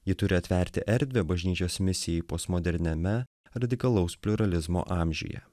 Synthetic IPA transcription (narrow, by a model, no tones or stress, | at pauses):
jɪt̪ʊɾʲɪɐt̪ʲʋʲɛˑɾʲt̪ʲɪʔɛɾʲd̪ʲʋʲebɐʒʲnʲiːt͡ʃʲoːsmʲɪsʲɪjɛɪpoːsmɔd̪ʲɛɾʲnʲɛmʲɛ | ɾɐd̪ʲɪkɐlˠɔʊspʲlʲʊɾɐlʲɪzmo̰ːʔɑːmʲʒʲʊ̰jɛ̰